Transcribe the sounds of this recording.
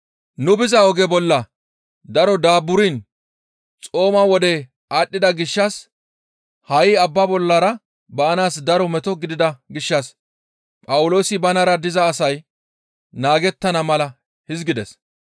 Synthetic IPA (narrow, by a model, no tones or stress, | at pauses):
nʊbɪzɐɔɡɛbɔlːɐ | d̪ɐɾɔd̪aːbʊɾiːn | t͡sʼo̞ːmɐwɔd̪ɛ | aːɗːɪd̪ɐɡɪʃːɐs | hɐjɪɐbːɐbɔlːɐɾɐ | bɐːnaːsd̪ɐɾɔmɛt̪ɔɡɪd̪ɪd̪ɐɡɪʃːɐs | pʼɐwʊlo̞ːsɪbɐnɐɾɐd̪ɪzɐːsɐj | naːɡɛt̪ːɐnɐmɐlɐ | hɪzɡɪd̪ɛs